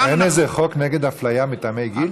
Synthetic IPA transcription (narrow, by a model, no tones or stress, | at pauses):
enezeχokneɡed̪aflajamit̪amejɡil